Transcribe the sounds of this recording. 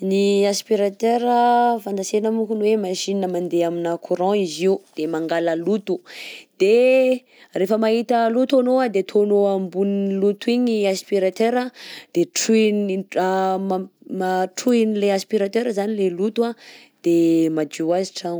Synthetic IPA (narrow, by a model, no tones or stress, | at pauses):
niaspiɾat̪øɾəfãnd̪asenəmukunwemaʃininəmãnd̪eaminakʰuɾɔ̃iziud̪̥emaŋɡaləlut̪ud̪̥e | refəmaɦit̪əlut̪onoad̪et̪ʰonoambunlut̪uiɲiaspiɾat̪eɾəd̪̥eʈ͡ʂunimmaʈ͡ʂuinileaspiɾat̪øɾəzanilelut̪a | d̪̥emad͡ʒuaziʈ͡ʂa